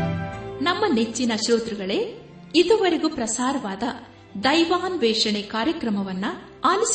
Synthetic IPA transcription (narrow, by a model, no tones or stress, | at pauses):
nɐmːɐnet͡ʃːinɐʃɾoːt̪ɾuɡɐɭe̞ | id̪uʋɐɾeɡupɾɐsaːɾɐʋaːd̪ɐ | d̪ɐjʋaːnʋɛːʂɐɳekaːɾjɐkɾɐmɐʋɐnːu | aːlis